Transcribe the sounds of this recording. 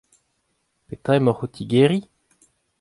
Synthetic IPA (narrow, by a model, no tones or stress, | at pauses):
pet̪aemɔʁot̪ʰiɡeːʁi